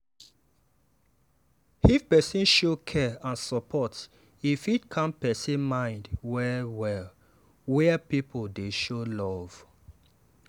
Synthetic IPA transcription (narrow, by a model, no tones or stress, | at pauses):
ifpɛsĩnʃokʰɛãnsɔpʰɔt | ifitkʰãnpɛsimãɪ̃ndwɛwɛl | wɛpipʰoldeʃolɔv̥